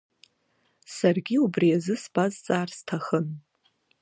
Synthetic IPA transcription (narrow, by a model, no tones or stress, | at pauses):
sarɡʲiubrijazɨsb̥azt͡sʼaːrstʰaχən